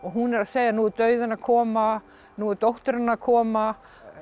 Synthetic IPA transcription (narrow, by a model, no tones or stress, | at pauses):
ɔɣɦunɛɾaðseːjanuːt̪œɥðʏnakʰɔːma | nuːʏɾt̪owht̪ʏɾɪnːaakʰɔːma